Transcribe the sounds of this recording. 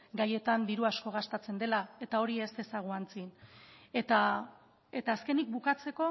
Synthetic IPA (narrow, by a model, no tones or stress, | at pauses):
ɡaje̞t̪and̪iɾuasko̞ɣ̞ast̪at͡se̞nd̪e̞lae̞t̪ao̞ɾiese̞saɣ̞oant͡sine̞t̪a | e̞t̪aːske̞nik̚bukat͡se̞ko̞